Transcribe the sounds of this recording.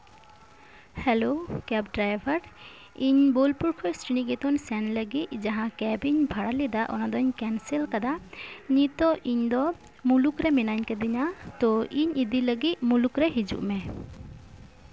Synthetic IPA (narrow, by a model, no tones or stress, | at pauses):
hɛlokɛp̚ɖɾajbʱaɾ | iɲbolpuɾkʰɔjsʈiniɡɛt̪ɔnsɛnləɡit̪̚d͡ʒaɦãkɛbiɲbʱaɽalɛd̪aʔɔ̰nad̪ɔɲkɛnsɛlkad̪anit̪ɔʔiɲd̪ɔ | mulukɾɛmɛnaɲkɛd̪iɲat̪ɔʔiɲid̪iləɡit̪̚mulukɾɛɦid͡ʒṵʔmɛ